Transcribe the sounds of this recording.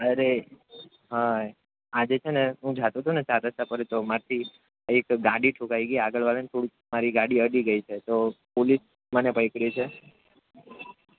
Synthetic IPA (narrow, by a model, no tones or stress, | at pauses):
əɾe | ɦa | ad͡ʒet͡ʃʰeneɦũd͡ʒʱat̪ũt̪ʰunet͡ʃad̪əst̪apəɾet̪omaɾt̪ʰi | ekɡaɽiʈʰũkaiɡjaɡəɭʋalənt̪ʰoɽi | maɾiɡaɽiəɖiɡəit͡ʃʰet̪opolis | mənepəjkɽit͡ʃʰe